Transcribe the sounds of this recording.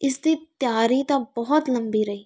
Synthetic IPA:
ɪsd̪it̪jaːɾit̪abɔɦɔt̪lɐmbiɾɐɦiː

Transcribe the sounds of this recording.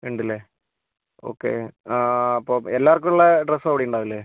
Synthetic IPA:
ʋeɳɖilːe | o̰ːkːḛaɐpːoːelːaːrk̬ːuɭːɐɖresːɐʋiɽijuɳɖaːʋilːe

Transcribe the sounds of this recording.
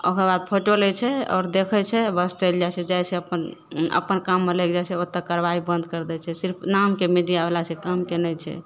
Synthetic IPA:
o̰kəɾbad̪̚pʰoʈolɛt͡ʃʰɛɔ̰ːɾd̪ekʰɛt͡ʃʰɛbəst͡ʃəld͡ʒat͡ʃʰɛd͡ʒajseəpənə̰pənkamːelɛk̚d͡ʒat͡ʃʰɛot̪ːəkəɾʋaibə̃nd̪̚kəɾd̪ɛt͡ʃʰɛsiɾpʰnamkemiɖijabelasɛkamkenɛjt͡ʃʰɛ̰

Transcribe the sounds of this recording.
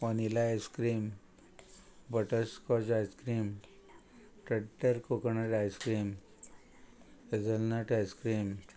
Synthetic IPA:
ɔnilaeskɾiːm | bəʈəskɔd͡ʑajskɾiːm | ʈəɖəɾkokəɳaʈajskɾiːm | ed͡zəlnaʈajskɾiːm

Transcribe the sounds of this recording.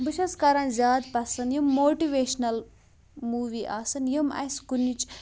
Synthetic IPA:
bɨʃɐskɐɾaːnzʲaːd̪pɐsɐnjimːoːʈiʋeːʃnɐl | muːʋiːʔa̰ːsɐnjimɐ̰skunːit͡ʃ

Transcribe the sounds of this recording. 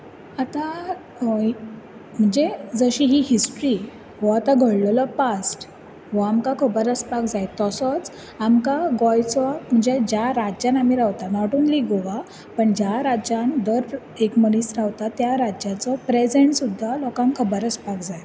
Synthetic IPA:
at̪a | m̤əɳd͡zed͡zəɕiɦiɦisʈɾi | ʋɔat̪aɡʱəɽllɔpasʈ | ʋəamkakʰəbəɾəspakd͡zajt̪ɔsɔt͡s | amkaɡɔjt͡sʋam̤əɳd͡zed͡ʑjaɾad͡ʑjanamiɾaʋt̪anaʈuːnliɡoʋa | pəɳd͡ʑjaɾad͡ʑand̪əɾ | ekməɽiːsɾaʋt̪at̪jaɾajat͡sɔpɾed͡zeɳʈsud̪ʱːalɔkamkʰəbəɾəspakd͡zaj

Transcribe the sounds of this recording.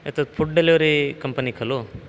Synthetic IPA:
et̪ɐt̪pʰuʈ̚ɖɐliɐɾikɐmpɐnikʰɐlu

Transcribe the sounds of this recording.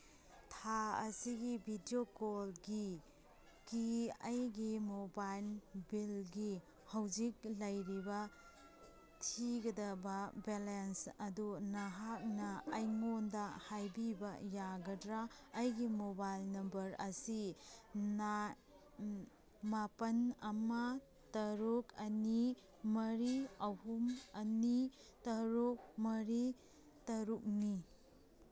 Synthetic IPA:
tʰaɐ̰siɡibʱidiokolɡi | kiɐjɡimobajlbilɡi | hɐwd͡ʒik̚lɐjɾibɐ | tʰiɡɐdɐbɐbelensɐdunɐɦak̚nɐːjŋondɐhajbibɐjaɡɐdɾaːjɡimobajlnɐmbɐɾɐsina | mapɐnɐmɐ | tɐɾukɐni | mɐɾiɐhumɐnitɐɾuk̚mɐɾi | tɐɾuk̚ni

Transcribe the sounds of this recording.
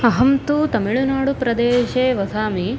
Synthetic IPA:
ɐɦɐmt̪ut̪ɐmiɭunaːɽupɾɐd̪eːʃeːʋɐsʰaːmi

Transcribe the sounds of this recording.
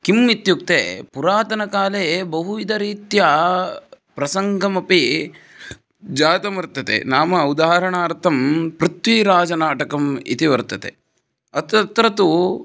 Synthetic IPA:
kimːit̪juk̚t̪ḛpuɾaːt̪ɐnɐkaːleːbɐɦuʋid̪ɐɾiːt̪jɐ | pɾɐsɐŋɡʱɐmɐpi | d͡ʒaːt̪ɐmɐɾt̪ɐt̪ḛnaːmɐud̪aːɾɐɳaːɾt̪ʰɐmpɾut̪ʋiɾaːd͡ʒɐnaːʈɐkɐmḭt̪iʋɐɾt̪ɐt̪ḛ | ɐt̪ɐt̪ɾɐt̪u

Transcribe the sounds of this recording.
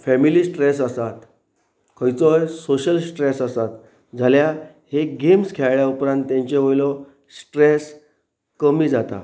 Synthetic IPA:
fɛmiliːsʈɾes̬əsat̪ | kʰəjt͡sɔjsoɕəlsʈɾesasat̪ | d͡zʱalja | heɡemskʰeɭɭjaupɾãnt̪ːjãɲt͡ɕeʋojlɔ | sʈɾes | kəmiːd͡zat̪a̰

